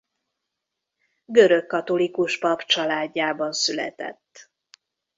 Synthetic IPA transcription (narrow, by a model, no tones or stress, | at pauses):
ɡøɾøkːɒt̪o̞likuʃpɒpt͡ʃɒlaːɟːaːbɒnsylɛ̰t̪ɛ̰t̪ː